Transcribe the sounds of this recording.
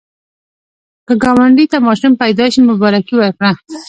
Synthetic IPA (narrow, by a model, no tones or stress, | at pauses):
kəɡɑwaɳɖit̪amɑʃumpajd̪ɑʃimʊbɑɾakiwaɾkɽa